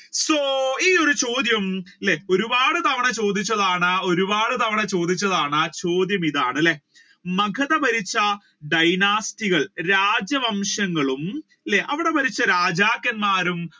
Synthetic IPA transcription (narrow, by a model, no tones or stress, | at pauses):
soiːo̞ɾut͡ɕo̞ːd̪jɐmilːeo̞ɾubaːɽɨt̪ɐʋɐɳɐt͡ɕo̞ːd̪it͡ɕːɐðaːɳɨo̞ɾubaːɽɨt̪ɐʋɐɳɐt͡ɕo̞ːd̪it͡ɕːɐðaːɳɨt͡ɕo̞ːd̪jɐmiðaːɳɨlːe | mɐɡʰʱɐðɐbɐɾit͡ɕːɐ | ɖɐjnaːstiɣɐɭɾaːd͡ʑjɐʋɐmʂɐŋːɐɭum | ilːeʔɐʋiɽe̞bɐɾit͡ɕːɐɾaːd͡ʑaːkːɐnmaːɾum